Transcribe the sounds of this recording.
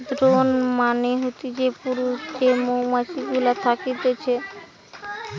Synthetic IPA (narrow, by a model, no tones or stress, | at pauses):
d̪ɾonmaneɦot̪id͡ʑepuɾusd͡ʑemowmat͡ɕiɡulat̪ʰakit̪et͡ɕʰe